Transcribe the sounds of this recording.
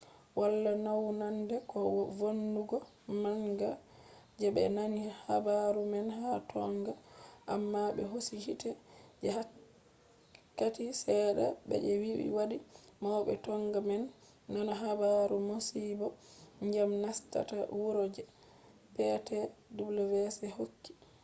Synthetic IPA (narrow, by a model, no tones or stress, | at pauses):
walːanawnandɛkɔvonduɡɔ | maŋɡa | d͡ʒɛbɛ̰nanihabaɾumɛnhatʰɔŋɡaʔamːaɓɛ̰ɦosihitɛd͡ʒɛha | kːatisɛɗaɓɛ̰d͡ʒɛwibḭwadimawɓɛtɔŋɡamɛnː | ɔnɔɦabaɾumosibɔɲd͡ʒamnasta̰tawuɾod͡ʒɛ | pɛtɛdublɛvɛsɛhokːi̥